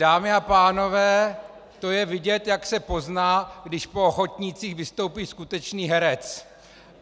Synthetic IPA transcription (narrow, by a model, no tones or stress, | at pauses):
daːmɪapaːno̞vɛː | t̪o̞jɛvɪɟɛt̪jaksɛpo̞znaːɡdɪʃpo̞oxot̪ɲiːt͡siːxvɪst̪o̞wpiːskut̪ɛt͡ʃniːɦɛɾɛt͡s